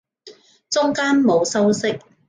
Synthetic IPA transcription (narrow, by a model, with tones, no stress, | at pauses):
t͡sʊ˥ŋkaː˥nmo˨˧wsɐ˥wsɪ˥k̚